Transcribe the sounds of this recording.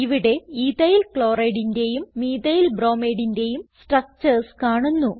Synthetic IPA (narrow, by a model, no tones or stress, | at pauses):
iʋiɽe̞iðɐjilkɭoːrɐjɽinde̞jumːiːðɐjilbro̞ːmeːɽinde̞jumsʈrɐk̚t͡ɕɐrskaːɳunːu